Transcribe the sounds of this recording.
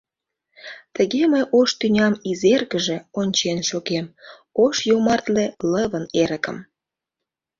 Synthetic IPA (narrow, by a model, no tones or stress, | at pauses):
t̪əɣeməjʔoʃt̪ynʲɑmizerɣəʒe̽onʲt͡ɕenʃoɣem | oʃjomɑrt̪leləβəneɾə̆kə̰̆m